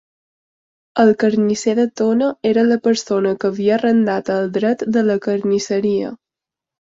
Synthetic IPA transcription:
əlˠkəɾniseðət̪onəeɾələpəɾsonəkəβiərənd̪at̪əlˠd̪ɾɛt̪d̪ələkəɾnisəɾiə̰

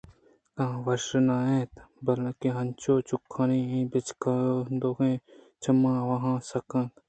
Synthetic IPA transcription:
kãːʋɐʃɾnaːẽːt̪bɐlkiɦɐnt͡ʃoːt͡ʃʊkʰːaːniːĩːbɪt͡ʃkad̪oːkẽː | t͡ʃʰɐmãːʋɐɦãːsɐkãːk

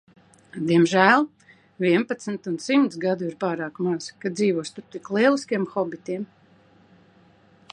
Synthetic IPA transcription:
d̪iɛmʒæːlˠ | vʲiɛnpat̪snt̪unsimt̪sɡad̪uiɾpaːɾaːkmaz̥kad̪ziːvuɔst̪uɾt̪iklˠiɛlˠiskʲiɛmxɔbit̪iɛm

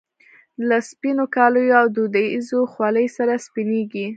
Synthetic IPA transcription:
laspinokɑləjoawd̪ud̪aizoxwɑləjsaɾaspineɡi

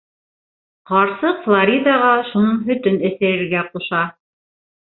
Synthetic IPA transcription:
qɑɾsɤqflˠaɾʲid̪ɑʁɑʃunɤɴɦɵ̆t̪ɵnɘ̆θæɾɘ̆ɾɡæquʃɑ

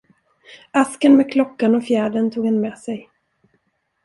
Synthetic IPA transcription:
askənmɛːkʰlɔkːanɔfjæːɖənt̪ʰuːɡhɛnmeːsɛj

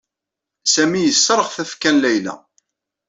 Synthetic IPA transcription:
sæmijəsːɾˤəʁθæfkænlæjlæ̰

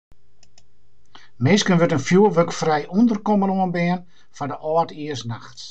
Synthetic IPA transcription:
mɪːskənʋøtənfjuəʋøkfrɛjundərkɔmənoənbɪən | fadəʔɔːtiəsnaxt

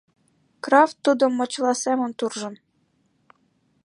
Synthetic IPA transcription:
krɑft̪ːud̪ŏmːŏt͡ɕlɑsæmənt̪urʒɤ̆n

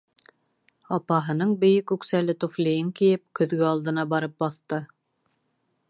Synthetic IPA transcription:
ɑpɑɦɤ̆nɤɴbɘ̆jɘkʉksælɘt̪uflʲijɘŋkijɘp̚kɵ̆ðɡɘɑlˠd̪ɤ̆nɑbɑɾɤp̚bɑθt̪ɤ

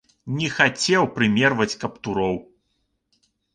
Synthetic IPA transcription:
nʲɛxat͡sʲɛwpɾɨmʲɛrvɐt͡sʲkɐpt̪uɾɔw

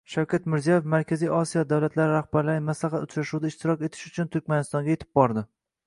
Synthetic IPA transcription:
ʃawkʲʰat̪mɪɾzijɒjefmaɾkʲʰazijʔɒsijɒd̪awlat̪ʰlaɾɪɾahbaɾlaɾɪmaslaχat̪ʊt͡ʃɾaʃud̪aɪʃt̪ɪɾɒkʲe̞t̪ʰɪ̥ʃʊt͡ʃʰʊnt̪ʰʊɾkʲmanɪst̪ɒŋɡʲajet̪ʰɪ̥b̚bɒɾd̪ɪ

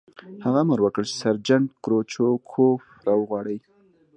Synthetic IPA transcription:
haɣaməɾwəkəɭt͡ʃe̥saɾd͡ʒaɳʈ̪̚kɾot͡ʃokʰof | ɾɑwəɣwɑɽəj

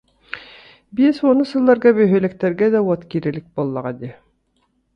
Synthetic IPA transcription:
bieswonɤsɤ̆lˠːɑɾɡɑbɵ̆jɦɵ̆læ̆k̚t̪æɾɡæd̪æwɑt̪kiɾɘ̆lɘk̚bɑlˠːɑʁɑd̪ʲi

